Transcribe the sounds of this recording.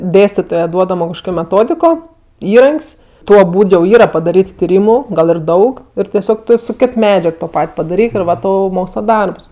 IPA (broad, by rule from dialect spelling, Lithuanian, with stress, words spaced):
ˈdʲeːsʲtʲɪtoːjɛ ˈduɔdɐmoː kɐʃˈkoːkʲoː mʲɛˈtoːdʲɪkoː ˈiːrɐŋʲkʲsʲ ˈtuɔ ˈbuːt jɛʊ ˈiːrɐ pɐdɐˈrʲiːt tʲɪˈrʲiːmʊ ˈɡɐlˠ ɪr ˈdɐʊk ˈɪr tʲɛˈsʲoːk sʊ ˈkʲɪt ˈmʲæːd͡ʒʲɛk toː ˈpɐtʲ pɐdɐˈrʲiːk ɪr ˈʋɐ ˈtɐʊ ˈmoːkslˠɐ ˈdɐrps